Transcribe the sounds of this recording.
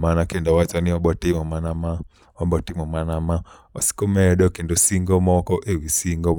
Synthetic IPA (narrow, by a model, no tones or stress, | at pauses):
manakendɔwat͡ʃaniɔbɔtimɔmanama | ɔmbɔtimɔmanama | ɔsi̥komɛɗɔkendosiŋɡɔmɔkɔʔewisiŋɡɔ